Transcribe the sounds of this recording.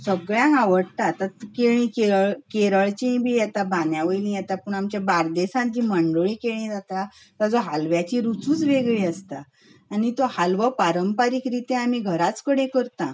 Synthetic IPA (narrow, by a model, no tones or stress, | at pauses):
səɡɭjãŋkaʋəɽt̪at̪at̪keɭ̃ĩkeɾəɭkeɾəɭt͡ɕĩbʱijɛt̪abãnjaʋəjlĩjɛt̪apəɳamt͡ɕjabaɾd̪esãt̪̚d͡ʑiməɳɖoɭĩːkeɭ̃ĩd͡zat̪a | t̪ad͡zoɦalʋjat͡ɕiɾut͡suːt͡sʋeɡɭĩəst̪a | anit̪ohalʋəpaɾəmpaɾiːkɾit̪eam̤iɡʱəɾat͡skəɽẽkəɾt̪ã